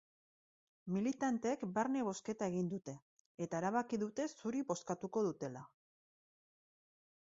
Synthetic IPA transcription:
milit̪ant̪ekbaɾne̞β̞o̞ske̞t̪ae̞ɣ̞ind̪ut̪e̞ː | t̪aeɾaβ̞akiðut̪e̞suɾiβo̞skat̪uko̞ðut̪e̞la

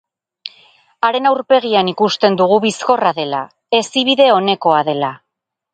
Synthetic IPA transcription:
aɾe̞nawɾpe̞ɣ̞ianikust̪e̞nd̪uɣ̞uβisko̞raðe̞la | e̞siβ̞iðe̞o̞ne̞ko̞aðe̞la

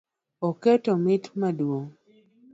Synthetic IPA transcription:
okɛtɔmɪtmadwo

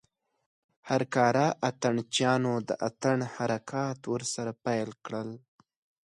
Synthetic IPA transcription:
haɾkɑɾaʔat̪aɳt͡ʃjɑnod̪əʔat̪aɳhaɾakʰɑt̪wəɾsaɾapajlkɽəl

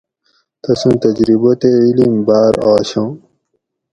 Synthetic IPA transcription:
t̪ɐsũnt̪ɐd͡ʑɾibot̪eilimbaːɾaːɕõː

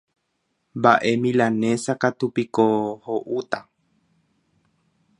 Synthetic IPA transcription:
mbaʔe̞mĩlanẽ̞sakat̪upikohoʔut̪a

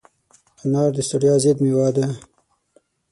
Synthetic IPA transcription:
anɑːɾd̪əst̪aɽjɑːzed̪mewɑd̪a

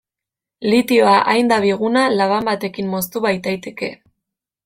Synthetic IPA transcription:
lit̪io̞aʔajnd̪aβiɣ̞unalaβambat̪e̞kimːo̞st̪uβajt̪ajt̪e̞ke̞̰

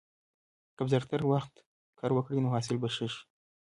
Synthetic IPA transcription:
kabzaɾt̪aɾwaxt̪ | kʰɑɾwəkɽinoɦɑs̬ɪlbaʃəʃ

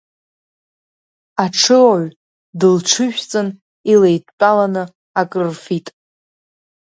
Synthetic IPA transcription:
aʈ͡ʂʰɨaɥ | dɨlʈ͡ʂʰɨʃᶣt͡sʼɨn | ilejtʼpʼalanɨ | akʼrrfitʼ

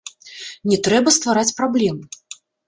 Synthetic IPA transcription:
nʲɛt̪ɾɛbɐst̪vaɾat͡sʲpɾablʲɛmɨ

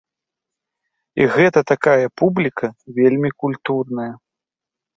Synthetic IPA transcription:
iɣɛt̪ɐt̪akajɐpublʲikʰɐvʲelʲmʲikulʲt̪urnɐjɐ

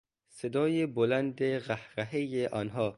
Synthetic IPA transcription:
sed̪ɒːjebolænd̪eɣæhɾæɦejeʔɒːnɦɒː

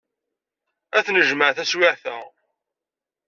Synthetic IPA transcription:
æθnəʒməʕθæswɪʕθə

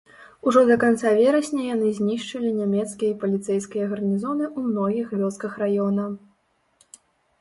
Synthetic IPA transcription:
uʐɔd̪ɐkant̪savʲɛɾɐsʲnʲɐjanɨzʲnʲiʂt͡ʂɐlʲinʲamʲɛt̪skʲijɐipɐlʲit̪sɛjskʲijɐɣɐrnʲizɔnɨʔumnɔɣʲixvʲɔskɐxrajɔnɐ

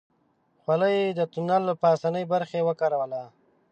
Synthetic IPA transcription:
xwaləjed̪ət̪unalpasanəjbaɾxewəkaɾawəla

